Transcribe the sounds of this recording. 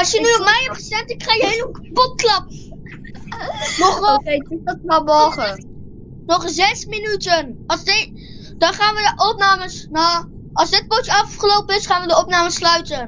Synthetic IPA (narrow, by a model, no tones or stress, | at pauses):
ɑlˠsjənyɔmɛjɛp̚χəsɛntɪkχaːjəɦejləkpɔt̚klɑp̚ | mɔχejdɪdɔtmabɔɹχə | nɔχzɛsminytənɑlsd | dɑnχaːnʋədəʔɔp̚naːməsnaː | ɑlˠzdɪt̚potəɑfχəlowpəɪsχaːnʋədəɔpnaːməslœɥtən